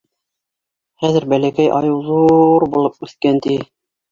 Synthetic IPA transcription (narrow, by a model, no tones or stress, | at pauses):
χæðɘ̆ɾbælækæjʔɑ̰jɤwðuɾbulˠɤp̚ʉθkænt̪i